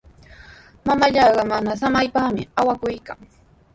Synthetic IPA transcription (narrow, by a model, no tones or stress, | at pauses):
mamaʎɑːɢɑmanasamajpaχmɪ̰awakʊjka̰ŋ